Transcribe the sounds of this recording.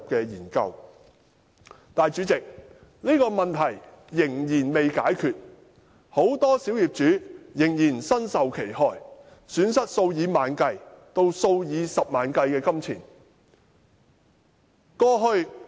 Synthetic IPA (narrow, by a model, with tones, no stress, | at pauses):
p̚kɛː˧jiː˨˩nkɐ̰˧w | t̪aː˨jt͡ʃyː˨˥t͡sɪ˨k̚ | niː˥kɔː˧mɐ˨nt̪ʰɐ˨˩jː | ɪ˨˩ŋjiː˨˩nme˨jkaː˨˥jkʰyː˨t̚ | ho˨˥wt̪ɔː˥siː˨˥wjiː˨˩p̚t͡ʃyː˨˥jɪ˨˩ŋjiː˨˩nsɐ˥nsɐ˨wkʰe˨˩jhɔː˧j | syː˨˥nsɐ˥t̚so˧wjiː˨˧maː˨˧nkɐ˧jt̪o˧wso˧wjiː˨˧sɐ˨p̚maː˨˧nkɐ˧jkɛː˧kɐ˥mt͡sʰiː˨˩n | kɔː˧ɦɵ˧ɥ